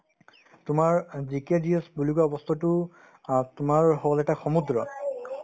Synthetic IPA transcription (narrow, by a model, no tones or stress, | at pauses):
tʊmaɹzikediɔsbuluɡaɔbɔst̪ʰɔtʊ | tʊmaɹɦɔɔlɛtaxɔmudɹɔ